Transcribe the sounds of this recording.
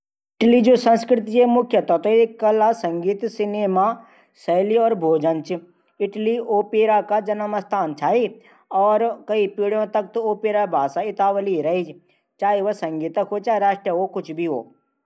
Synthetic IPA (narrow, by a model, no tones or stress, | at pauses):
ɪʈlid͡ʒoːsɐ̃nskɾɪt̪̬iemʊkʰjət̪ɔt̪oekɐlasɐ̃ŋɡiːt̪sɪneːma | sɐɦliɔːɾbʱoːd͡ʒə̃nt͡ʃ | ɪʈlioːpeːɾakad͡ʒɐnəmɐst̪ʰaːnt͡ʃʰaːi | ɔːɾkɐipiːɽjõt̪ɐk̚t̪oːpeːɾabʱaːsaɪt̪aːʋəliɾɐɦid͡ʒ | t͡ʃaːiʋɐsɐ̃ŋɡiːt̪ɐkɦot͡ʃaːɾaːʃʈjəɦokʊt͡ʃʰbʱiɦo̰ː